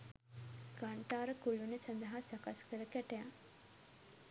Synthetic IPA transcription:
ɡ̥aɳʈaːɾəkulunesand̪əɦasakaskəɾəkæʈejaŋ

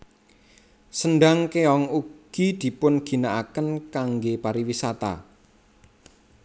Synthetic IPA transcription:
sənɖaŋkeɔŋuɡ̥id̪̥i̤pʊnɡ̥i̤naʔakənkaŋɡepaɾiwisat̪a̰

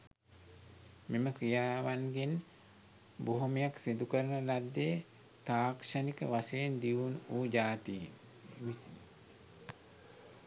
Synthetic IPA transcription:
meməkɾijaːʋanɡen | boɦomijaksind̪ukəɾənəlad̪ːeː | t̪aːkʂanikə̰ʋaseːnd̪iʋunuːd͡ʒaːt̪iin

